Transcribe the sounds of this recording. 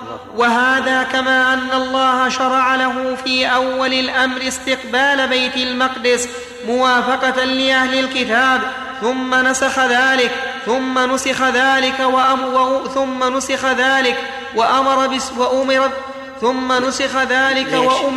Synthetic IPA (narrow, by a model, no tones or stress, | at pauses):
waɦaːðaːkamaːʔanːalˤːɑːhaʃɑɾˤɑʕalaɦʊfiːʔawːalɪlʔamɾɪst̪ɪqbaːlabajt̪ɪlmɑqd̪ɪs | mʊwaːfɑqɑtlɪʔahlɪlkɪt̪aːb | θʊmːanasaxaðaːlɪkθʊmːanʊsɪxaðaːlɪkaw | θʊmːanʊsɪxaðaːlɪk | waʔamɑɾˤɑbɪwaʔʊmɪɾ | θʊmːanʊsɪxaðaːlɪkawaʔʊ